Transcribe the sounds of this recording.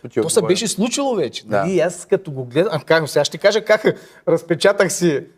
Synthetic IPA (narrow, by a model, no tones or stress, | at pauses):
t̪osɐbɛʃ̬ɛslˠut͡ʃilˠovɛt͡ʃɛ̥d̪ɐiaskɐt̪oɡoɡlɛd̪kaksɛaʃt̪ɛkaʒəkak | ɾɐspɛt͡ʃat̪əxsi